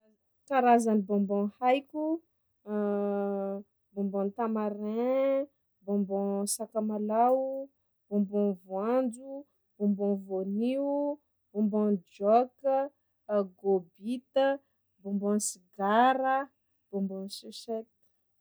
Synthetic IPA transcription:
kaɾazanibɔ̃mbɔ̃hajkʲu | bɔ̃mbɔ̃nt̪amaɾɛ̃ | bɔ̃mbɔ̃sakamalau | b̥ɔ̃mbɔ̃vwand͡ʒu | b̥ɔ̃mbɔ̃voni | b̥ɔ̃mbɔ̃nd͡ʒɔk | ɡobit̪ə | bɔ̃mbɔ̃nsiɡaɾə | b̥ɔ̃mbɔ̃nseset̪

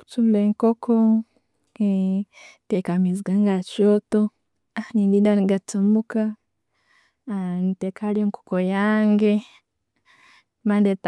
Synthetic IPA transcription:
ku̥tumleŋkoko | e | tekamiziɡaŋɡat͡ʃoto | anindindaniɡatumuka | nitekʰalioŋko̥kojaːŋɡe | mandet

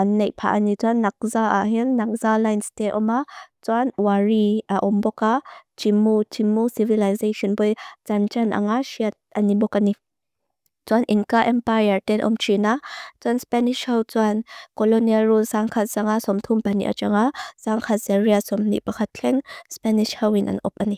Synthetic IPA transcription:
ʔanːejʔpʰa̰ʔanit͡suanːak̚zaʔa̰ɦinːak̚zalajnstetʔɔmat͡suanwaɹiaʔɔmbɔkat͡ʃimːut͡ʃimːusivilajzeʃɔnbɔjt͡sant͡ʃanʔa̰ŋaʃiat̪̚ʔanibɔkani | t͡suanʔinkaʔɛmpajɐɹtɛnʔɔ̰mt͡ʃʰinat͡suanspɛniʃhɐwt͡suankɔlɔnialrulsaŋkʰat̚zaŋasɔmt̪ʰumpanḭʔa̰t͡ʃaŋasaŋkʰazɛɹiasɔmnḭʔpakʰat̪̚kʰɛŋspɛniʃhawinʔa̰nɔ̰p̚ani

